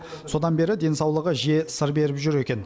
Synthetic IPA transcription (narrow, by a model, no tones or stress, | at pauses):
so̞d̪ɑnbe̞ɾɪd̪e̞nsɑwlˠəʁəʒe̞səɾbe̞ɾɪpʒʏɾe̞kʲe̞n